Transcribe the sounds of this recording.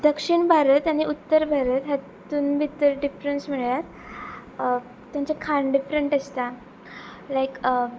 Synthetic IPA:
d̪əkʂiɳbʱaɾət̪aɽ̃iʔut̪ːəɾbʱaɾət̪ɦa | t̪uːnbʱit̪əɾɖifɾənsmiɭjat̪ | t̪jant͡sakʰaɳɖifɾəɳʈəst̪a | lajk

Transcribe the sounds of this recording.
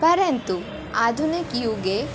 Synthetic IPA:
pɐɾɐnt̪u | aːd̪ʱunikijuɡe

